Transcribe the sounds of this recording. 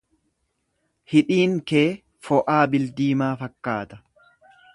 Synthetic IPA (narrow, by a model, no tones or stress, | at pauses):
hɪᶑiːŋkeː | fɔʔaːbɪld̪iːmaːfɐkːaːt̪ɐ̥